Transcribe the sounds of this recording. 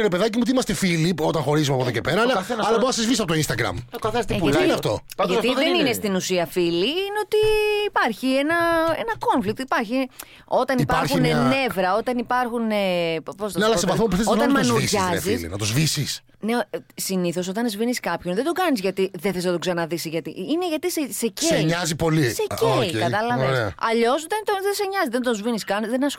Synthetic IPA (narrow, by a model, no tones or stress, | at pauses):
ɾepe̞ðacimuot̪iimɐst̪efilio̞t̪ɐŋxo̞ɾizumɐpoðocepeɾɐlɐɐɐlɐboɐsɐzvisɐpot̪oinst̪ɐɡɾɐ̰mkɐθest̪ineɐft̪o̞̰ɐt̪iðeninest̪inusiɐfiliineo̞t̪iːpɐɾçienɐenɐko̞ɱflik̚t̪ipɐɾçi | o̞t̪ɐniipɐɾxunenne̞vɾɐo̞t̪ɐnipɐɾxuneposnɐneɐlɐsevɐθmopuθezozt̪ɐnmɐɐnosʝɐziḭnɐ̰t̪ozvisis | nesiniθo̞s̬o̞t̪ɐnzviniskɐpçonðed̪oɡɐnizʝɐt̪iðeθesnɐt̪oksɐnɐðisiʝɐt̪iʔineʝɐt̪iseseceɲɐzipo̞liseeikɐt̪ɐlɐvvesɐʎo̞soðend̪onðeseɲɐzizðend̪ozviniskɐnðenɐs